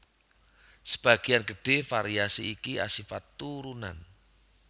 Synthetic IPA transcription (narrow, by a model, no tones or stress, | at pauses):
sə̥b̥aɡ̥ianɡəɖ̥e̤faɾiasiikia̰sifat̪ːuɾunan